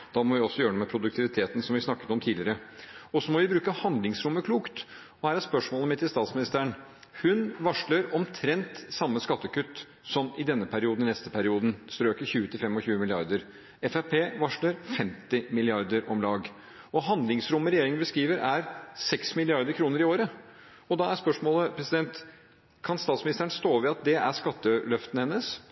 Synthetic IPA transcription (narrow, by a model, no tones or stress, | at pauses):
d̪̥ɑːmɔʋɪɔsːɔjøːəɳumɛpʰɾʊd̪ʉk̚t̪ʰɪʋɪt̪ʰeːt̪n̩sɔmʋɪsnɑkːə̥t̪ɔmt̪ʰiːlɪəɾəɔsɔmɔʋɪbɾʉːkəhɑnd̪lɪŋsɾʊmːəkʰluːkt̪ | ɔhæːɾæspœʂmoːləmɪt̪ːɪst̪ɑːt̪smɪnɪst̪æːəɳ | hʉnʋɑʂləɾɔmt̪ʰɾɛnt̪sɑmːəskɑt̪ːəkʉt̪ː | sɔmɪd̪ɛnːəpʰæɾɪuːd̪nɪnɛst̪əpʰæɾɪuːd̪ən̩st̪ɾøːkəɾçʉːət̪ɪlfɛmːɔçʉːəmɪlɪɑɾd̪əɾ | ɛfæpʰeːʋɑʂləɾfɛmt̪ɪmɪlɪɑɾd̪əɾʔɔmlɑːɡ | ɔɦɑnd̪lɪŋsɾʊmːəɾɛjeːɾɪŋənbəskɾiːʋəɾʔæɾsɛksmɪlɪɑɾd̪əɾkʰɾuːnəɾɪoːɾə | ɔd̪ɑæspœʂmoːləpʰɾɛsɪd̪ɛnt̪ | kʰɑnst̪ɑːt̪smɪnɪst̪æəɳst̪oːʋɛɑt̪̚d̪ɛʔæʂkɑt̪ːəlœft̪ənəhɛnːəs